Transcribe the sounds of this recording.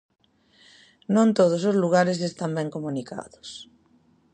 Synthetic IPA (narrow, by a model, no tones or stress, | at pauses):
nõnt̪oð̞osozluɣ̞aɾeslest̪ambɛ̃ŋkomunika̰ðos